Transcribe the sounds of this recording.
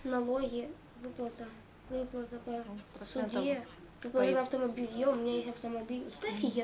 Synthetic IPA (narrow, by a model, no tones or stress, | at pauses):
ɐnɐlˠoɣʲijɐ | ʋɨplˠɐt̪ɐ | ʋɪplˠɐt̪ɐpɐsʊdʲi | t̪pʲɛnɐɐft̪ɔmɐbʲilʲjoʊmʲinʲajesʲtʲɐfwt̪ɔmɐbʲilʲst̪ɛfʲiɦʲi